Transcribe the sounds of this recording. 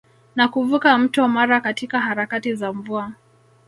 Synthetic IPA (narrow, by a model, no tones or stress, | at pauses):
nakuvukam̩tɔmaɾakatikaɦaɾakatizaɱvua